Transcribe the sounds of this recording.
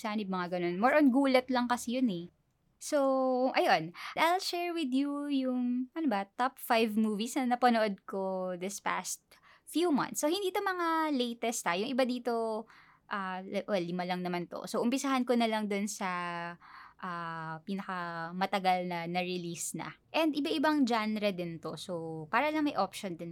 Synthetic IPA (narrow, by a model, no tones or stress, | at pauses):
sanɪb̚mɐŋaɡɐno̞nmɔɹʔonɡuːlɛt̪lɐŋkɐsijʊnɛ | soʔɐjonajlʃɛːɹwɪd̪jujʊŋʔɐnobɐt̪ap̚fajvmuːvisnɐnɐpɐnoʔod̪̚ko̞d̪ɪspa̰st̪̚ | fjumɐ̰nt̪sːohɪnd̪iːt̪omɐŋalejt̪ɛst̪ajʊŋʔɪbad̪iːt̪o̞ | ʔalʔolimɐlɐŋnɐmant̪o̰soʔʊmpɪsaɦɐnkonɐlɐŋd̪onsɐ | ʔapiːnɐkɐmɐt̪ɐɡalnɐnɐɹɪlisnɐ̰ʔɛnd̪ɪbaʔɪbaŋd͡ʒanɾɛd̪ɪnt̪o̞sopaːɾɐlɐŋmɐjʔopʃond̪ɪn